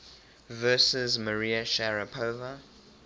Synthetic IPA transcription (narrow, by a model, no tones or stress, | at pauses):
vɜːˑsɪzməɹiːəʃaɹəpʰovə